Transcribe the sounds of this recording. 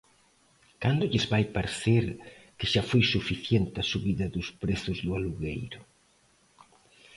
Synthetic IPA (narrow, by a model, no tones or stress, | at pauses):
kand̪ʊʎɪzβajpaɾθeɾ | kɪʃafojsufiθjent̪ɪasuβiðɐðʊspɾeθʊzðʊaluɣejɾʊ